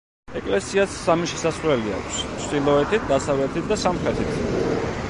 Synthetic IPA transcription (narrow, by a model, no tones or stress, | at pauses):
ɛkʼlɛsiasːamiʃɛsasχɾwɛlia̰kʷʰst͡ʃʰt̪ʼilˠɔɛt̪ʰit̪̚ʰd̪asavlɛt̪ʰit̪̚ʰd̪asamχɾɛt̪ʰit̪ʰ